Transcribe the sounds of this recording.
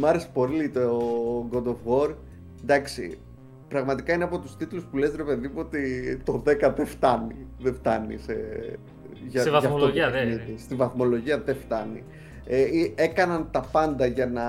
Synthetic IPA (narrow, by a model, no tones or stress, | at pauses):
mɐɾespo̞ɾilit̪oɡod̪o̞vɣo̞ɾ | nd̪ɐksḭ | pɾɐɣmɐt̪ikɐineɐpo̞t̪ust̪it̪luspule̞zɾepeðipuot̪it̪o̞ðe̞kɐðeft̪ɐniðeft̪ɐnḭse | ʝɐʝɐft̪onit̪ist̪ivɐθmo̞lo̞ʝiɐðeft̪ɐnḭ | ee̞kɐnɐnt̪ɐpɐnd̪ɐʝɐnɐ